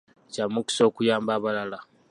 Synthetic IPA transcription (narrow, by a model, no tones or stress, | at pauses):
camːuku̥so̞ːkujaːmbaːβalala